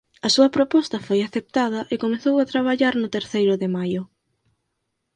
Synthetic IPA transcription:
ɐsuɐpɾopɔst̪ɐfojaθep̚t̪að̞ɐʔekomeθowat̪ɾaβ̞aʎaɾnʊt̪eɾθejɾʊðɪmajʊ

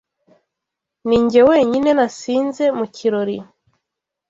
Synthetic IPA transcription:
niːɲɟewe̞ːɲine̞nasiːnze̞mucʰiɾoɾi

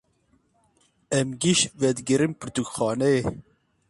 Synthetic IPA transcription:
ɛmɡiʃvɛd̪ɡɨɾimpɨɾt̪ukxɑːnɛe

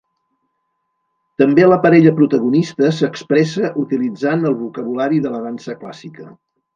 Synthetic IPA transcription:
t̪əmbeləpəɾɛʎəpɾut̪əɣunist̪əsəkspɾɛsəʔut̪ilid͡zanəlˠβukəβ̞ulaɾiðələðansəklasikə

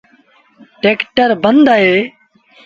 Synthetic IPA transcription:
ʈeːkʈəɾbənd̪aːɦeː

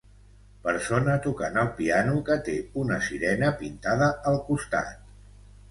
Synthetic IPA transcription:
pəɾsonət̪ukanəlˠpianukət̪eunəsiɾɛnəpint̪aðəːlˠkust̪a̰t̪

